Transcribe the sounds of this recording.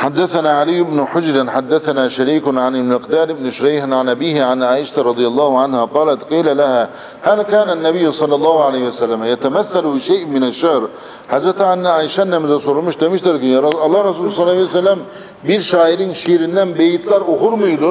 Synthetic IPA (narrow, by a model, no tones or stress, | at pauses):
ħad̪ːaθanaːʕalijːɪbnʊħʊd͡ʒɾɪnħad̪ːaθanaːʃaɾiːkʊnʕanɪbmɪqd̪aːlɪbnʊʃʊɾajħɪnʕanʔabiːhʕanʕaːʔɪʃat̪aɾˤɑd̪ˤɨjɑlˤːɑːhʊʕanhaqɑːlat̪qiːlalahaː | haːðakaːnanːabɪjːsˤɑlːɑlˤːɑːhʊʕalajhɪwasalːamajat̪amaθːalbɪʃajːʔmɪnaʃːahɾ | ħad̪ɾat̪aʕanʔaːʔɪʃanːamɪzasˤuɾmɪʃt̪amɪʃt̪ɑɾkɪɾˤʔɑlˤːɑːɾˤɑsuːlsˤɑlːɑsalːam | biːɾʃaːʔɪɾiːnʃiːɾɪnːaːmbejɪt̪lɑɾˤwʊxʊɾmajd̪u